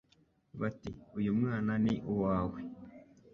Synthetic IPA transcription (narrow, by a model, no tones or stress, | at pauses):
βatiujumŋaːnaniʔuwaːwe